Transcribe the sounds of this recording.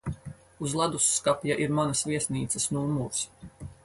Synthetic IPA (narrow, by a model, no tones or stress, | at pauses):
uzlˠad̪usːkapjaʔiɾmanɐsviɛsniːt̪sɐsnumuɾs